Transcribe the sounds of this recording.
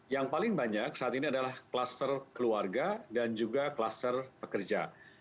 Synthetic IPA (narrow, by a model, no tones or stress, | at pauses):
jaŋpalɪŋbaɲak̚saʔat̪iniadalahkəlast̪ərkəluarɡadand͡ʒuɡakəlast̪ərpəkərd͡ʒa